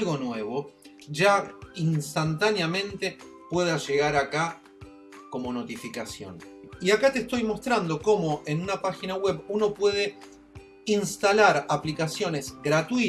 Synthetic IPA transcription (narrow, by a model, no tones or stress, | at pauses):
lɣo̞nwe̞βo̞ | ʒainst̪ant̪anjamẽ̞nt̪e̞pwe̞ðaʒe̞ɣaɾaka | ko̞mo̞no̞t̪ifikasjo̞̰niakat̪est̪o̞jmo̞st̪ɾand̪o̞ko̞mo̞ʔenunapaxinaɣwe̞βuno̞pwe̞ð̞e̞ | inst̪alaɾaplikasjo̞ne̞zɣɾat̪wi